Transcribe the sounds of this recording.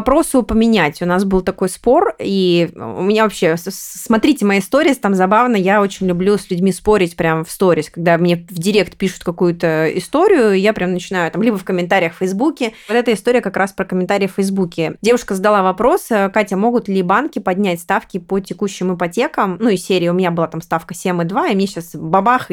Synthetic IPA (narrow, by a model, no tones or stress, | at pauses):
ɐpɾo̞sʊpəmʲɪnʲætʲʊnasbɨlˠt̪ɐko̞jspo̞riʊ̰mʲɪnʲavɐpɕːe̞smɐt̪ɾʲitʲɪmɐjast̪o̞ɾʲɪəst̪amzɐbavnəjaot͡ɕɪnʲlʲʊblʲusʲlʲʉdʲmʲispo̞ɾʲɪtʲpɾʲamfst̪o̞ɾʲɪsʲkɐɡ̚d̪amnʲevdʲɪɾʲe̞kt̪pʲiʂʊ̥t̪̚kɐkujʊt̪əɪ̰st̪o̞ɾʲɪjʊjapɾʲʔamnət͡ɕɪnajʊt̪amlʲibəfkəmʲɪnt̪aɾʲɪjəxfəjzbukʲɪvot̪ɛt̪əɪst̪o̞ɾʲɪjəkɐkɾʔaspɾəkəmʲɪnt̪aɾʲɪəfəjzbukʲɪdʲe̞vʊʂkəzəd̪ɐlˠavɐpɾo̞skatʲɐmo̞ɡʊt̪lʲɪbankʲɪpɐdʲnʲætʲst̪afkʲɪpətʲɪkuɕːɪmɨpɐtʲe̞kəmnuisʲeɾʲɪːʊmʲɪnʲabɨlˠat̪amst̪afkəsʲemɨd̪vaɪmnʲeɕasbɐbax